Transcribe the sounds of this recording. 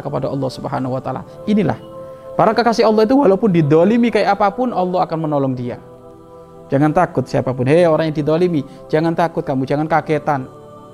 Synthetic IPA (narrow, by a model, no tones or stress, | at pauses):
kəpadaɑ̰lˠˤːɔhsubəɦanaɦuwat̪a̰la̰inila̰hpaɾakakasɪɔlːɔhit̪̬uwalapʊndid̪ɔlimikajaʔapapʊnɔlˠːɔɦakanmənɔlɔŋdia̰ | d͡ʒaŋant̪akʊt̪̚siapapʊnɦeoɾaŋjadid̪ɔlimi | d͡ʒaŋant̪akʊt̪̚kamud͡ʒaŋankaket̪an